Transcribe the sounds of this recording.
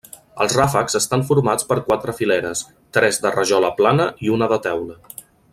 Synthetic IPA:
ə̰lˠzrafəkz̥əst̪aɱfuɾmat͡spəɾkwat̪ɾəfilɛɾəs | t̪ɾɛzd̪ərəʒɔləplanəiunəðət̪ɛwlə

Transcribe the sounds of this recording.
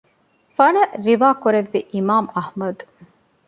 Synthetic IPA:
fɐɳɐɾiʋaːkuɾeʋːiʔimaːmɐhmɐd̪

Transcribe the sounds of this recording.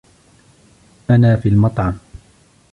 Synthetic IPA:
ʔanaːfiːlmɑt̪ˤʕɑm

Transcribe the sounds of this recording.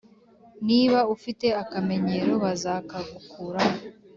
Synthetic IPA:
niːβaufite̞akame̞ɲe̞ɾo̞βazaːkaɡukʰuɾao

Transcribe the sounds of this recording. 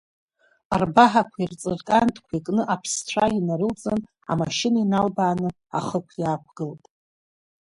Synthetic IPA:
arbaħakʷʰairt͡sʼɨrkʼantʼkʷʰikʼnɨʔapʰsʷʰainaɾɨlt͡sʼɨn | a̰maʃɪnainalbaːnɨ | a̰χəkʷʰjaːkʷʰɡ̥ɨltʼ

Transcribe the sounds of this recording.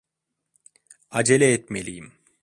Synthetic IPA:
ɐd͡ʒeleːt̪̚melijim

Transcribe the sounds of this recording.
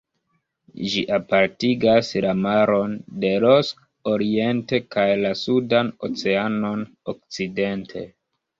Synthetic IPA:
ʒiʔapaɾtiɡaslamaɾo̞nde̞lo̞sk | oɾie̞nte̞kajlasudano̞t͡se̞ano̞n | okt͡side̞ntʰe̞

